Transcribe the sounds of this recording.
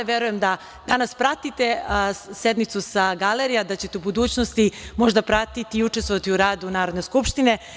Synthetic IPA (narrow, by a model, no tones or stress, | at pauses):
ʋjeɾujemd̪a | d̪anaspɾat̪it̪esed̪mit̪susaɡaleɾijad̪at͡ɕe̞t̪eubud̪uːt͡ɕnost̪imo̞ʒd̪apɾat̪it̪iːut͡ʃest̪ʋo̞ʋat̪iuɾaːd̪unaːɾod̪neskupʃt̪ine̞